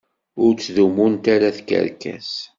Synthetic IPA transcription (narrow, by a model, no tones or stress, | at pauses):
ʊɾt͡sːðumunt̪aɾaθkə̰ɾkæ̰s